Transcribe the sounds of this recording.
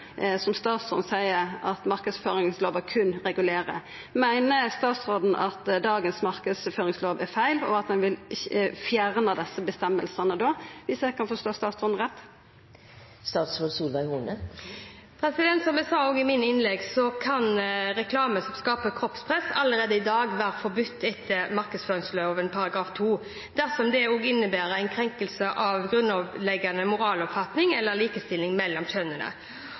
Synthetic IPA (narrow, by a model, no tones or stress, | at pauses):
sɔmst̪ɑːt̪sɔnsæɪəɾʔɑt̪mɑʁkəd̪sføːɾɪŋsloːʋəkʰʉnɾɛɡʉleːɾə̰ | mæɪnəst̪ɑːt̪sʁoːd̪n̩ʔɑt̪d̪ɑːɡənsmɑɾkəd̪sføːɾɪŋsloːʋæɾfæɪlɔ̰ɑt̪d̪ɛnʋɪlfjæɾnəd̪ɛsːəbəst̪ɛmːəlsɑnəd̪oːʋɪsd̪æɪkʰɑnfɔst̪oːst̪ɑːt̪sɔnn̩ʁɛt̪ː | st̪ɑːt̪sɾoːd̪suːlʋæɪhuːnə | pʰɾɛsɪd̪ɛnt̪sɔmæsɑːoːɡɪmɪnɪnlɛɡsɔkʰɑnɾɛkʰlɑːməsɔmskɑːpəkʰɾɔpspʰʁɛsɑlːəɾeːd̪əɪd̪ɑːɡʋæːɾəfɔbʉt̪ʰːɛt̪ʰːəmɑɾkəd̪sføːɾɪŋsløoːʋɛnpʰɑɾɑɡɾɑːft̪ʰuː | d̪̥æʁsɔmd̪ɛoːɡɪnːəbæːɾəæɪnkʰɾɛŋkəlsəʔɑʋɡɾʉnːɔʋlɛɡːɑnəmʊɾɑːlɔpfɑt̪nɪŋɛlːəliːkəst̪ɪlɪŋmɛlːɔmçœnənə̰